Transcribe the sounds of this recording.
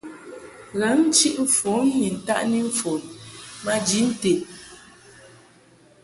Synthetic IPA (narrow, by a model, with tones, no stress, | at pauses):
ɣa˨˦n̩˦t͡ʃi˦ʔɱ̩˦˨fɔ˨˦ɲi˨n̩˨ta˦ʔni˦ɱ̩˦fo˨nma˦d͡ʒi˨˦n̩˦te˨